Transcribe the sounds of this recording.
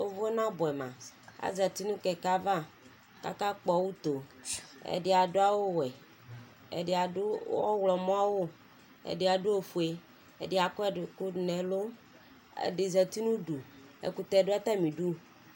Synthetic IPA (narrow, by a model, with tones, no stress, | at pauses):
o˦vo˦ɛ˦nã˦bɔ˨ɛ˨mã̰˨a̰˦zɛ˨t̪i˦nũ˦kɛ˨ka˦va˦ | ka̰˦ka˦k͡pɔ˨wu˦t̪o˨ḛ˨ɖɪ˨a˨do˦a˦wo˦wɛ˨ | ḛ˨dɪ˨a˨do˦ɔ˦wlɔ˨mɔ̃˦a˦wo˦ | ḛ˨ɖe˨˦a˨ɖu˦o˨fu˨e˨ | ɛ̰˨dɪ˨˦a˨kɔ˦ɛ˦ɖɪ˨ku˦˨nɛ̃˨lo˦ | ḛ˨ɖɪ˨zɛ˨t̪i˦nũ˦ɖu˨ | ḛ˨ku˨t̪ɛ˦˨ɖo˦a˦t̪a˦mĩ˨ɖu˦